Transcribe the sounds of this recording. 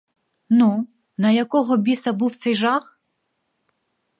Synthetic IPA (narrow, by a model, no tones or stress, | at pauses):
nu | nɐjɐkɔɦɔbʲisɐbuwt̪sɛjʒɑx